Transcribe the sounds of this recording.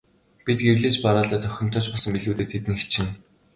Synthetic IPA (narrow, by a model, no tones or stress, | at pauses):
pit̪̚ɡerɮeːt͡ɕpaɾaːɮaːt̪œxʲɪ̆m̥t̪ʰɔ̆t͡ɕpɔɮsə̆mpiɮuːt̪eːt̪ʰet̪nixt͡ɕʰɪ̆n